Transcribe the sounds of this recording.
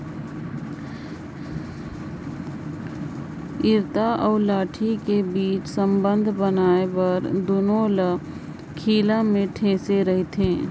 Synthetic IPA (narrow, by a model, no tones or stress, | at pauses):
ɪɾt̪aʔɔːɾlaːʈʰikebiːt͡ʃsə̃mbə̃nd̪ʱbənaːebəɾd̪oːnõlə | kʰiːlamẽʈʰẽːseɾəɦet̪ẽː